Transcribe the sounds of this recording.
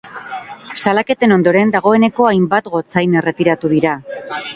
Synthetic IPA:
salake̞t̪e̞no̞nd̪o̞ɾe̞nd̪aɣ̞o̞e̞ne̞ko̞ajmbat̪ɣo̞t͡sajne̞re̞t̪iɾat̪uðiɾa

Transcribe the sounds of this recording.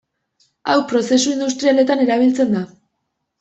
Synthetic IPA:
awpɾo̞se̞suind̪ust̪ɾiale̞t̪ane̞ɾaβ̞ilt͡se̞nd̪a

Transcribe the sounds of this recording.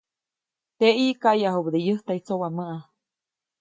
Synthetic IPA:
t̪eʔiʔkaʔjaɦubd̪ejəht̪aʔit͡sowaməʔa

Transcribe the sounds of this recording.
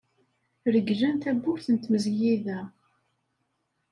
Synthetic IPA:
ɾəɡʒænt̪æbːʊɾθənt̪məzjiðæ

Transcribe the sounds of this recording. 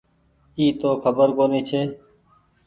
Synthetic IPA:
iːt̪oːkʰəbəɾkoːniːt͡ʃʰeː

